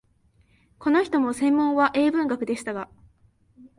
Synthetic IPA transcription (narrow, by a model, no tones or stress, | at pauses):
ko̞no̞çi̥t̪o̞mo̞sẽ̞mːõ̞ɰ̃βaʔe̞ːbɯ̟̃ŋɡakɯ̟d̪e̞ɕi̥t̪aɡa